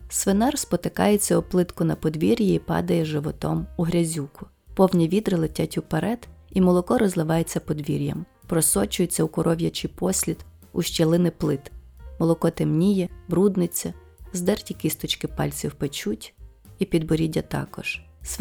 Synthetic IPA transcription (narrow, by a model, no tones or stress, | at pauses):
sʋɪnɑrspɔt̪ɪkɑ̰jet͡sʲːɐɔplˠɪt̪kʊnɐpɔd̪ʋʲiɾʲjiipɑ̰d̪ɐjɛʒɪʋɔt̪ɔ̰muɦɾʲɐzʲukʊ̥ | pɔwnʲiʋʲid̪ɾɪlˠɪtʲatʲuwpɐɾɛt̪imɔlˠɔkɔɾɔzlˠɪʋɑjet͡sʲːɐpɔd̪ʋʲiɾʲjɐ̰m | pɾɔsɔt͡ʃʊjet͡sʲːɐukɔɾʔɔʋʲjɐt͡ʃɪpɔsʲlʲit̪ | uʃt͡ʃelˠɪnɪplˠɪt̪mɔlˠɔkɔt̪emnʲijɛbɾud̪nɪt͡sʲːɐ | zd̪ɛrtʲikist̪ɔt͡ʃkɪpɑ̰lʲt͡sʲiwpet͡ʃutʲ | ipʲid̪bɔɾʲidʲɐt̪ɑ̰kɔ̰ʒ̥ | s